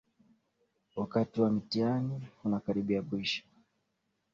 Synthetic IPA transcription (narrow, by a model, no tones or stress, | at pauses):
wakatiwamitianihunakaɾiɓiakuiʃḁ